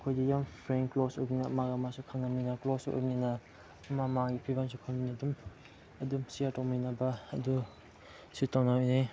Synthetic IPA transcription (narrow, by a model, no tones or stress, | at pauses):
kʰojdijampʰɾeŋklɔsojninaɐ̰maɡamasukʰaŋnamninɐklɔso̰jbninɐ | ɐmamaɡipʰɾibansukʰaŋninadum | ɐdumsijaɾtawminɐbɐːdu | sitawnaojne